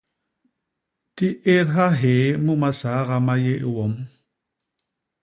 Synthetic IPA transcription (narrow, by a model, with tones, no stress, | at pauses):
ti˦ʔe˦ɾɦa˦ɦe˨mumasa˨˦ɣamajeʔwɔ˨m